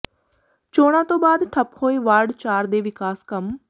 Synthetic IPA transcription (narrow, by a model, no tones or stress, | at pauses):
t͡ʃoːɽ̃ãːt̪õːbaːd̪ʈʰəphoːiːʋaːɾɖt͡ʃaːɾd̪eːʋɪkaːskəm